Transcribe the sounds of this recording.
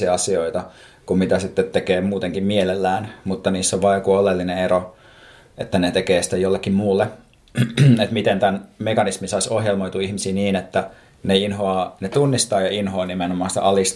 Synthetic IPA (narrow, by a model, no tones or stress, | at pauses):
iɑɑsioit̪ɑ | kummit̪æsit̪ːet̪tekeːmuːt̪eŋkimmielelːæːnmut̪ːɑniːsːoʋʋɑːjokuolelːineeɾo | et̪ːænet̪ekeːsi̥t̪ːejolːekːimmuːlːe | et̪mit̪ent̪ænmekɑnismisɑisohjelmoit̪uihmisiːniːnet̪ːæ | neinɦoɑːnet̪unːist̪ɑːjɑinɦoːnimenomɑːnsi̥t̪æ̰ʔɑlist̪